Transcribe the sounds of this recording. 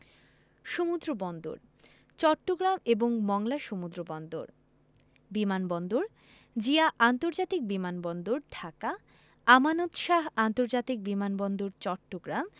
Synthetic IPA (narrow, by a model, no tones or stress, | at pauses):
ʃomud̪ɾobɔnd̪o̰ɾ | t͡ɕɔʈːoɡɾameboŋmɔŋlaʃomud̪ɾobɔnd̪o̰ɾ | bimanbɔnd̪oɾ | d͡ʑiaʔant̪oɾd͡ʑat̪ik̚bimanbɔnd̪oɾɖʰʱaka | amanod̪ʃaɦant̪oɾd͡ʑat̪ik̚bimanbɔnd̪oɾt͡ɕɔʈːoɡɾam